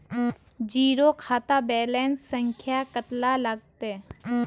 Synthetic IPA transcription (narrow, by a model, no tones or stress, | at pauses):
d͡ʒiːɾokʰaːt̪abɛːlɛːnssə̃ŋkʰjakət̪laləɡ̚t̪e